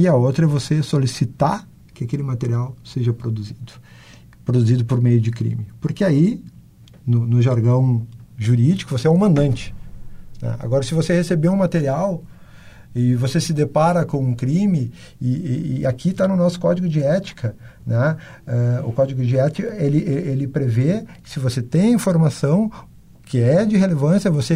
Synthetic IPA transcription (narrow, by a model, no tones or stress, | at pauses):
ɪɐot̪ɾɐɛvosesolisit̪aɾ | kɪakelɪmat̪eɾiawseʒɐpɾod̪uzid̪ʊ̥ | pɾod̪uzid̪ʊpoɾmejʊd͡ʒɪkɾḭ̃mɪpoɾkeai | nʊnʊʒaɾɡɐ̃w̃ʒuɾid͡ʒikʊvoseɛũmɐ̃nd̪ɐ̃nt͡ʃɪ̥nɛ̰̃a̰ɡɔɾɐsɪvosehesebeũmat̪eɾiaw | ɪvosesɪd̪epaɾɐkõũkɾĩmɪ | ɪːakit̪anʊnɔsʊ̥kɔd͡ʒɪɡʊd͡ʒɪɛt͡ʃi̥kʰɐnɛ | ɛʊ̰kɔd͡ʒɪɡʊd͡ʒɪɛt͡ʃɪkelɪʔeelɪpɾeveɪ̥sɪvoset̪ẽj̃ĩfoɾmasɐ̃w̃ | kʰɪɛd͡ʒɪɦelevɐ̃sjɐvose